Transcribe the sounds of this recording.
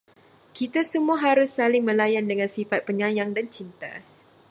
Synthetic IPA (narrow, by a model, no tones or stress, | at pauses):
kit̪asəmuaɦaɾʊsːalɪŋmə̃lajandəŋansifat̪̚pəɲãjaŋdant͡ʃint̪a̰